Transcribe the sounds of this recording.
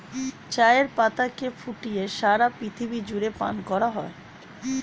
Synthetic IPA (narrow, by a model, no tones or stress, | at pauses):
t͡ɕaeɾpat̪akefuʈijeʃaɾapɾit̪ʰibid͡ʑuɾepa̰nkɔɾaɦɔe